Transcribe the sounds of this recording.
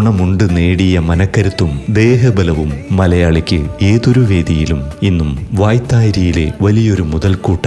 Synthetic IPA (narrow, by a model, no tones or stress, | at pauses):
ɳɐmuɳɖɨne̞ːɽijɐmɐnɐkːɐɾut̪ːumd̪e̞ːɦɐbɐlɐʋumːɐlɐjaːɭikʲːɨe̞ːðoɾuʋe̞ːd̪ijiluminːumʋaːjt̪ːaːjiɾijile̞ʋɐlijo̞ɾumuðɐlkuːʈːɐ